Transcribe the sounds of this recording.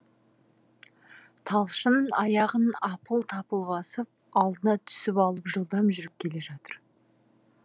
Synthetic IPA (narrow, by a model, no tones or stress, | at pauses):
t̪ʰɑlˠʃənɑjɑʁənɑpəlˠt̪ʰɑpəlˠbɑsəp̚ɑlˠd̪ənɑt̪ʰʏ̥sɪpɑlˠəpʒəlˠd̪ɑmʒʏɾɪp̚kʲʰe̞le̞ʒɑt̪əɾ